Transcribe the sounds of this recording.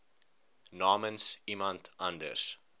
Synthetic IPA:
nɑːmənsimɐ̃ntʰɐndə̰s

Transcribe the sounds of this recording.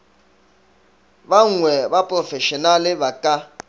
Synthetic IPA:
baŋ̩ŋwɛbapʼrɔfɛʃɔnalɪbakʼa

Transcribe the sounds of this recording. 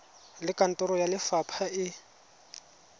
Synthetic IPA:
lɪkʼan̩tʼɔɾɔjalɪfapʰaʔɪ

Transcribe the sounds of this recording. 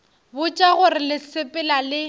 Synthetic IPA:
bʊt͡ʃʼaɣʊrɪlɪsɪpʼɪlalɪ

